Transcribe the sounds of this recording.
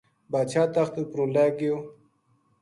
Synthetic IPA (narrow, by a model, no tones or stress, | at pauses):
baːt͡ʃʰaːt̪axt̪əpɾolaɡew